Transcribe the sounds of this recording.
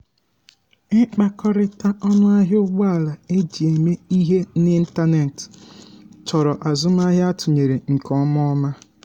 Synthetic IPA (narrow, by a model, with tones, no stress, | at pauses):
k͡pa˦kɔ˦ɾɪ˦ta˦ʔɔ˦nʊ˦a˦ɦʊ˦ɡ͡ba˦a˦˨la˨e˦d͡ʒi˨e˨me˦i˦ɦe˦nɪ˦n̩˦ta˦ne˨t | t͡ʃɔ˨ɾɔ˨ʔa˨zʊ˦m˦a˦ɦɪ˦a˦tʊ˨ɲe˨ɾe˨ŋ̩˨kɔ˦m˦ɔ˦ma˦